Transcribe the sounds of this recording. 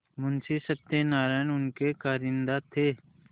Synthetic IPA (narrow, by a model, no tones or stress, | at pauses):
mʊnsisəb̚t̪enaːɾaːjnʊnkekaːɾɪnd̪aːt̪ʰːeː